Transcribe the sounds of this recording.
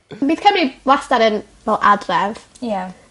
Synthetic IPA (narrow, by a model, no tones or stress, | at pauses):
biːθkʰəmɾiwastaɾən | vɛlˠʔadrɛv | ja